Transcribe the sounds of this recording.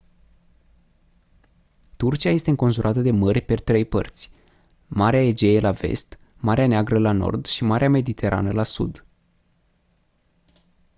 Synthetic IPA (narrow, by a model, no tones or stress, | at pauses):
t̪urt͡ʃiaje̞st̪eɨŋko̞nʒuɾʔat̪əd̪e̞mərʲpet̪ɾe̞jpə̰rt̪sʲ | maɾeae̞d͡ʒe̞elʔave̞̰st̪ | maɾeaneaɡɾəlano̞̰rd̪ʃimaɾeame̞d̪it̪ʰe̞ɾʔa̰nəlasṵd̪